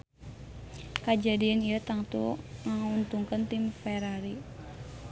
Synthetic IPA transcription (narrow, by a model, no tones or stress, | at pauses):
kad͡ʒadianijət̪aŋt̪ṵŋaŋunt̪uŋkənt̪imfɛɾaɾi